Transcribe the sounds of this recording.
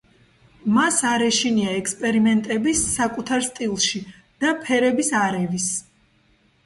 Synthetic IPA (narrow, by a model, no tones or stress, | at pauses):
masaɾɛʃiniaɛkspʼɛɾimɛnt̪ʼɛbisːakʼut̪ʰaɾst̪ʼilˠʃi | d̪̥apʰɛɾɛbisaɾɛvis